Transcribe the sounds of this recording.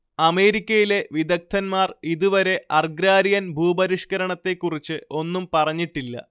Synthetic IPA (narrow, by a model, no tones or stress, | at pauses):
ɐme̞ːɾikʲːɐjile̞ʋid̪ɐk̚t̪ʰɐnmaːriðuʋɐɾe̞ʔɐrɡɾaːɾijɐnbʱuːbɐɾiʂkɐɾɐɳɐt̪ːe̞kːurit͡ɕːɨo̞nːumpɐrɐɲːiʈːilːɐ̰